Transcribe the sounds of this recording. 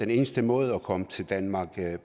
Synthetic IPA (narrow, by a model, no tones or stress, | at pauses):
ene̝ːnəsd̥əmɔ̽ːð̞̩ˠɒ̽kʰɒ̽mət͡sʰe̝ld̥ænmɑ̈ːɡ̥